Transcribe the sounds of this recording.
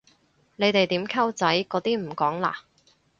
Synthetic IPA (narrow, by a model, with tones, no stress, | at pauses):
ne˨˧jt̪e˨jt̪iː˨˥mkʰɐ˥wt͡sɐ˨˥jkɔː˨˧˥t̪iː˥m̩˨˩kɔː˨˥ŋla̰ː˨